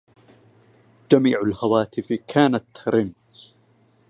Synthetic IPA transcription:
d͡ʒamiːʕalhawaːt̪ɪfkʰaːnat̪ɾɪm

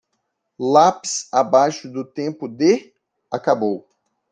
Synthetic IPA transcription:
lapɪsabajʃʊd̪ʊt̪ẽpʊd̪e | akabow

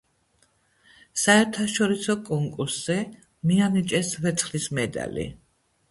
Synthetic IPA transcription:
saɛɾt̪ʰaʃɔɾisɔkʼɔŋkʼuɾsz̥ɛ | mianit͡ʃʼɛsvɛt̪sʰχlismɛd̪a̰lḭ

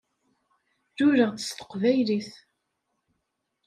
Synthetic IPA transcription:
ðʊɾəʁt͡sə̥st̪ə̥qːvæjliθ

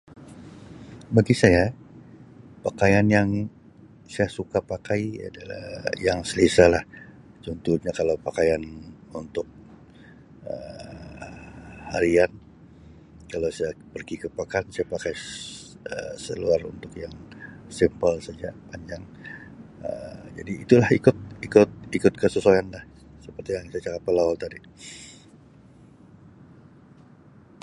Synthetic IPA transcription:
baɡisaja | pakajanjaŋ | sajasukapakaia̰dala̰hjaŋsəlisalah | t͡ʃunt̪uɲakalawpakajanunt̪ʊk̚ | ə̰ | haɾian | kalawsajapərɡikəpakaansajapakaj | ə̰səluarṵnt̪ʊkjaŋsimpəlsad͡ʒapaɲd͡ʒaŋ | ə̰d͡ʒa̰diːt̪ulahikʊt̪̚ikʊt̪̚ikʊt̪̚kəsəsojanlah | səpərt̪ijaŋsajat͡ʃakat̪̚pəlaɔlt̪adi

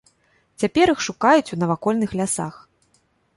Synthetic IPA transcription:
t͡sʲapʲɛɾixʂukajut͡sʲunɐvakɔlʲnɨxlʲasa̰x

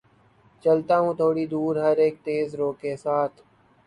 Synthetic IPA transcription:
t͡ʃəlt̪aːɦũːt̪ʰoːɽiːd̪uːɾɦəɾeːk̚t̪eːzɾoːkeːsaːt̪ʰ

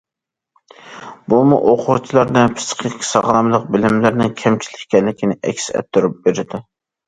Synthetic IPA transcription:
bumuʔoqʰʊɾt͡ʃʰilˠɑɾd̪ɛpʰɨ̥sqʰɪkʲʰsɑʁɾɑmlˠəq̚bɪlɪmlæɾnɪŋkʲʰɛmt͡ʃʰi̥lɪkʲkʲɛlːɪkʲʰinɪʔɛ̰kʲsɪɛ̰t̪ʰːuɾup̚beɾɪd̪ɪ

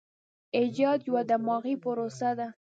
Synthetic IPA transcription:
ɪd͡ʒɑd̪jawad̪amɑɣipʊɾosad̪a

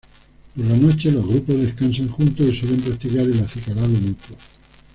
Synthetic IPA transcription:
poɾlano̞t͡ʃe̞lo̞zɣɾupo̞zðeskansaŋxunt̪osiswele̞mpɾak̚t̪ikaɾelaθikalaðonuk̪wo

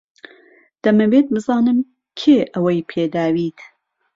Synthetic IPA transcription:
d̪̥ɐmɐbet̪̚bɨzɑːnɨm | kʰeːʔɐwɐjpʰeːd̪aːwiːt̪

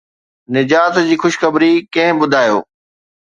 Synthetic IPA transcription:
nɪd͡ʑaːt̪d͡ʑiːxʊʃxəbɾikɐ̃ɦɪ̃bʊd̪ʱaːjo̰ː

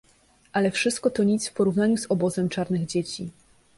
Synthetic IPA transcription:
ʔalɛfʂɘst̪̚kɔt̪ɔɲit̪sfpɔɾuvn̪aɲuzɔbɔzɛmt͡ʂaɾnɘɣd͡ʑet͡ɕi

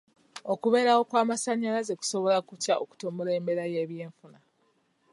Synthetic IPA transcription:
o̞kuβe̞ɾawo̞kwaːmasaɲːalaze̞ku̥so̞βo̞lakutaoku̥to̞ːmule̞ːmbe̞ɾaje̞βje̞ːɱfuna

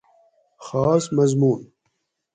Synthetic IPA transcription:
xɑːsmɐzmuːn

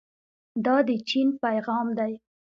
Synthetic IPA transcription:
d̪ɑd̪ət͡ʃinpajɣɑmd̪aj

